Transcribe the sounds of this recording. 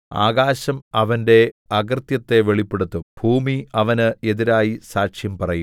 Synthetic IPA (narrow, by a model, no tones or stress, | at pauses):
a̰ːɡaːɕɐmɐʋɐnde̞ɐɡɐrt̪jɐt̪ːe̞ʋe̞ɭipːe̞ɽut̪ːub̥ʱuːmiɐʋɐnɨe̞ðiɾaːjisaːkʂjɐmpɐrɐjum